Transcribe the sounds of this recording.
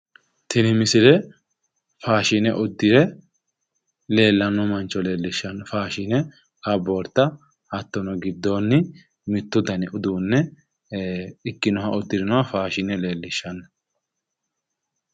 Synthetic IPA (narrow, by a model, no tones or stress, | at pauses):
t̪ʰɪnɪmɪsɪlɛ | faːʃɪnɛʔɔd̪ːɪɾɛ | le̞ːlːɐnːɔmɐnt͡ʃːɔle̞ːlːɪʃːɐnfaːʃɪnɛ | kɐboːɾt̪ːɐ | hɐt̪ːɔnɔɡɪd̪ːo̞ːnːɪ | mɪt̪ːʊd̪ɐnɪʊd̪uːnːɛ | ɪkːɪnɔhɐʔɔd̪ːɪɾɪnɔɐfaːʃɪnɛle̞ːlːɪʃːɐn